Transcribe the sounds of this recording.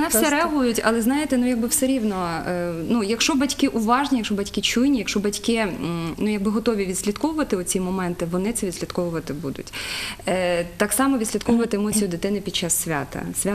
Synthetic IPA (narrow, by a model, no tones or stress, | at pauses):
nɛsɛɾɛɐɦujʊtʲɐ̰lˠɛznɑjɪt̪ɛnujɐɡ̚bɪwsɛɾʲiwnɔnujɐkʃɔbɐtʲkɪʔuʋɑʒnʲijɐkʃɔbɐtʲkɪt͡ʃujnʲijɐkʃɔbɐtʲkɪnujɐɡ̚bɪɦɔt̪ɔʋʲiʋʲid̪̥ʲsʲlʲit̪kɔʋʊʋɐt̪ɪʊt͡sʲimɔmɛnt̪ɪʋɔnɪt̪sɛʋʲid̪sʲlʲɐt̪kɔʋʊʋɐt̪ɪbud̪ʊ̰tʲ | t̪ɑksɑmɔʋʲid̪slʲit̪kɔʋʊʋɐt̪ɪemɔt͡sʲijʊd̪ɪt̪ɪnɪpʲid̪̚t͡ʃɑsːʲʋʲa̰t̪ɐ̰sʲʋʲa